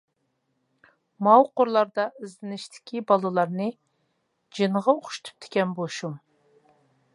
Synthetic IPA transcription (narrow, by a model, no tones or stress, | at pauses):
mɑwqʊɾlˠɑɾd̪ɑɪzlɪnɪʃt̪ʰɪ̥kʲibɑlˠɨlˠɑɾnɨ | d͡ʒɨnʁɑoχʃt̪ʰy̥p̚t̪ʰɪ̥kʲɛnboʃum